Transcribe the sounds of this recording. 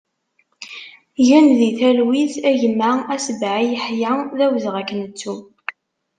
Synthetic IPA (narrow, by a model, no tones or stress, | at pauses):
ʝænðiθælwiθæʝəmːaæsəbʕijəħjaðæwðʁækːənət͡sːu